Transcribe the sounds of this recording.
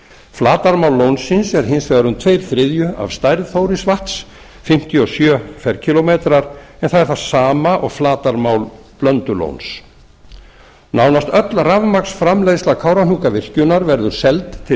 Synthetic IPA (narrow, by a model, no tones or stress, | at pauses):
flaːt̪aɾmawlːownsːɪnsɛɾ̥ɦɪnsvɛːɣaɾʏmt̪ʰvejɾ̥θɾɪðjʏa̰v̥st̪ajɾðθowɾɪsvaht̪s | fɪm̥t̪jɔsjœːfɛɾcʰɪlɔmeːt̪ɾaɾɛnθaðɛɾ̥θasaːmaʔɔ̰ɣflaːt̪aɾmawl | plœnt̪ʏlo̰wns | nawnast̪œt̪lravmaksfɾamlejslakʰawɾanuːkavɪr̥cʏnaɾvɛɾðʏɾ̥sɛlt̪ːʰɪ